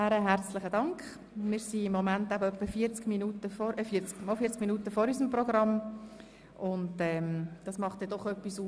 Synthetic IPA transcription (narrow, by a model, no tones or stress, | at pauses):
æːɾəɦæɾt͡slɪχədɑŋkχ | mɪːɾsiɪmːomæntabəœpːəfiət͡skminutəfɔɾʔəfiːəɾt͡skmɑlfiːt͡skminuːtəfɔɾysəmprɔɡʁɑm | ʔʊndɛːmd̥ɑsmɑχtd̥ɛd̥ɔχœpːisuː